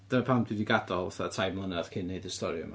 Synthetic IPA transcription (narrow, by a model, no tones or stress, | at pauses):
d̥ənapʰamdwidiɡadɔlˠwaθatʰajbmənað̥kʰɪnːejdəstɔɾjʊ̰m